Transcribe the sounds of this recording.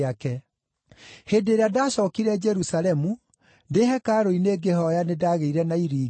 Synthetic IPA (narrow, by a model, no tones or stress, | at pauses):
akɛ | hedeːɾeadaːɕɔːkiɾɛd͡ʒɛɾusaɾɛmu | ndehɛkaɾoineːɡehɔjanedaːɣeiɾɛnaiɾiː